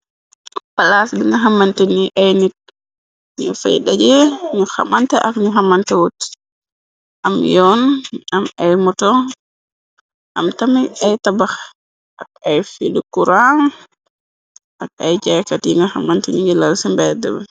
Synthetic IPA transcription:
palasbiŋɡaɦamantɛniʔajnik̚ | ɲɔfa̰jɗad͡ʒɛɲuha̰mantɛʔakɲuɦamantɛwotːi̥ | ʔamjɔnamajmɔtɔ | ʔa̰mtamiajtabax | ʔakajfidukuɾan | ʔakajd͡ʒɛjkatiŋɡaha̰mantɛɲiŋɡɛlalsɛmbɛdɛ̰bɛ

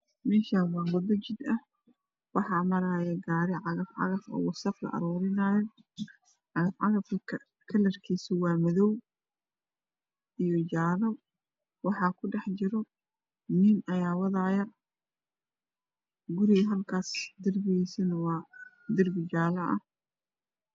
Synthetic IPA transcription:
mɛːʃaːnwɑːwɔd̪ɔt͡ʃɪd̪ɐh | wɑħɑːmɐɾaːjɛɡaːɾɪʕɑɣɐfʕɑ̰ɣɐfɔ̰ːwɑsɐqlɐ̰ʔɐ̰ɾɔːɾɪnaːjɔ | ʕɑɣɐfʕɑɣɐfɐkʰɐ | kʰɐlɐrkʰiːsɪwɑːmɐðɔw | ijɔt͡ʃaːlɔ | wɑħɑːkʰʊɖɛħt͡ʃɪɾɔ | niːnɐjaːwɑðaːjɐ | ɡʊɾɪɣɐɦɐlkʰaːsd̪ɪrbɪiːsɐnɐwɑː | d̪ɪrbɪt͡ʃaːlɐʔɐ̰h

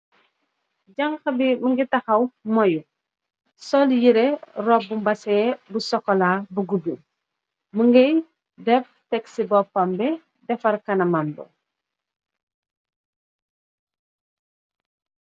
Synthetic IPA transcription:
ɟɐŋxɐbimuŋɡitɐxɐwmɔju | sɔljiɾɛrɔbumbɐsɛːbusɔkːɔlaːbuɡubum | muŋɡɐj | dɛf | tɛksibɔpːɐmbɛ | dɛfɐrkɐnɐmɐmbɔ̰

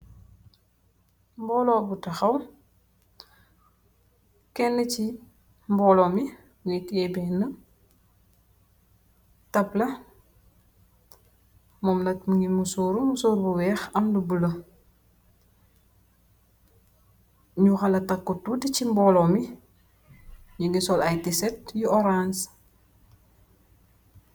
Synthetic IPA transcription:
mbɔːlɔːbutɐxɐw | kɛnːəci | mbɔlɔːmi | ŋikɛːbɛnːə | tɐplɐ | mɔmnɐt̚məŋɡimusoːɾumusoːɾbuwɛːxɐmdubulə | ɲuxɐlɐtɐkːutudicimbɔːlɔmi | ɲuɡisɔlajtisɛt̚juɔɾans

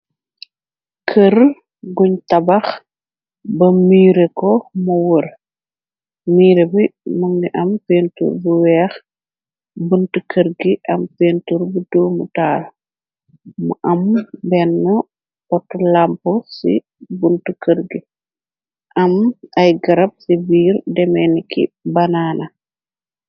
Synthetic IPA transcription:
kʰər | ɡuɲtɐbɐx | bɐmiːɾɛkɔmɐwər | miːɾɛbimuŋɡiʔɐmfeːntṵːrbuwɛːx | buntəkʰəɾɡiʔɐmfentuɾbidoːmutaːl | mṵʔɐmbɛnːə | pɔtːɔlampɔsḭ | buntukəɾɡi | ʔɐmɐjɡɐɾɐb̚sibiːɾdɛmɛnikʰḭbɐnaːnɐ

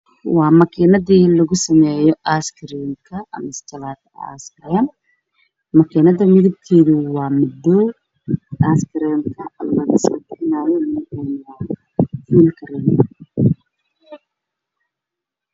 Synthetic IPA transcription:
wɑːmɐkʰɛnɐðiːlɐɣʊsɐmɛːjɔʔaskʰɐɾimkʰɐɐmɪst͡ʃɐlaːt̪ʰɐa̰ːskɐɾɪjɐmː | ɐkʰɛːnɐðɐmɪðɪb̚k̪ʰɛːðʊwɑːmɪd̪ːɔː | aːskʰɐɾamkʰɐɐmlɐɣɐst̪ɛnaːjɔmɪnkɛːnwaːn | fiːlkʰɐɾɛn

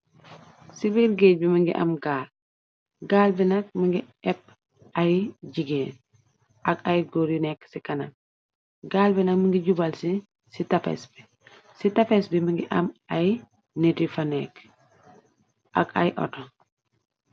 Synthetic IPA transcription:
sibiɾɡec̚bimiŋɡḭʔa̰mɡaːl | ɡaːlbinɐk̚miŋɡi | ɛp̚ | ʔajɟiɡeːn | ʔaɡajɡoɾinɛksikɐnaŋ | ɡaːlbinɐkmiŋɡiɟubalsi | sitafḛsbi | sitafesbimiŋɡiʔɐmʔaj | netifanɛk | ʔa̰ɡa̰jʔɔ̰tɔŋ

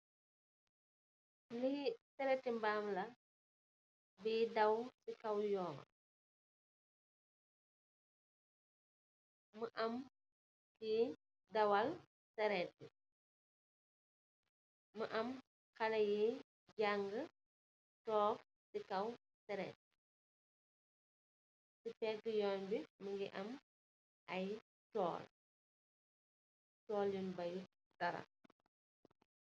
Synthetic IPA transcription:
lihisɛɾɛtːimbaːmlɐ | biːdɐwsikɐwjɔːmɐ̰ | məʔɐm | ki | dɐwɐl | sɛɾɛti | məʔɐm | kɐnɐji | ɟaŋɡə | tɔːk | tikɐw | sɛɾɛ̰t̚ | sipɛkːjɔːnbiməŋɡiʔɐm | ɐj | tɔ̰ːl | tɔːljunbɐj | dɐɾɐ̰

